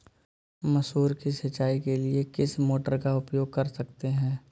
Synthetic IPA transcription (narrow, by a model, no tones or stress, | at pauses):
mɐsɦuːɾkisɐt͡ʃaːikeliekɪsmoːʈəɾkaʊpjoːɡ̚kɐɾsɐkt̪eɦɛ̃ː